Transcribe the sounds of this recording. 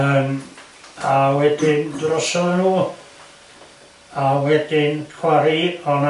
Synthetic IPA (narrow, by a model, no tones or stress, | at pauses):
əːm | awɛdɪndrɔsɔnuː | awɛdɪnkʰwaɾiɔna